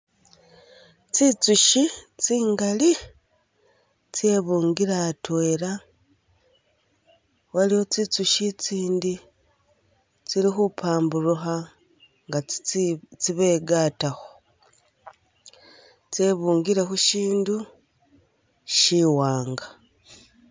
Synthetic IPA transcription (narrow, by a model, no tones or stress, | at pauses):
t͡sit͡suʃit͡siːŋɡali | t͡se̞βuːŋɡiɾatweɾa | waliwo̞t͡sit͡suʃit͡siːndi | t͡siɾixupʰaːmbuɾuxa | ŋɡa | t͡siβeɡaːtaxo | t͡seβuːŋɡiɾe̞xuʃiːndu | ʃiwaːŋɡa